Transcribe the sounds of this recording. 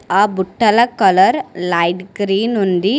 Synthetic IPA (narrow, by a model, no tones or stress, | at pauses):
abʊʈːɐlɐkːɐlɐɾlɐɪʈɡɾiːnund̪i